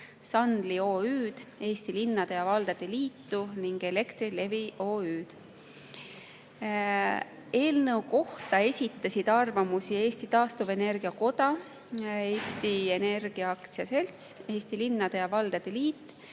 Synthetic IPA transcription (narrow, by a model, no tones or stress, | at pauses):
sɑnd̪̥lio̞ːyːd̪̥e̞ːst̪ilinːɑd̪̥ejɑvɑld̪̥ɑd̪̥eliːt̪ːuniŋɡ̥e̞le̞kt̪rile̞viʔo̞ːyːd̪̥ | e̞ːlnɤwko̞ht̪ɑe̞sʲit̪ˑːɑsid̪̥ɑrvɑmusie̞ːsʲt̪it̪ɑːst̪uve̞ne̞rɡ̥iɑko̞t̪ɑ | e̞ːst̪ie̞ne̞rɡ̥iɑɑkt̪siɑse̞lt̪se̞ːst̪ilinːɑd̪̥ejɑvɑld̪̥ɑd̪̥eliːt̪ː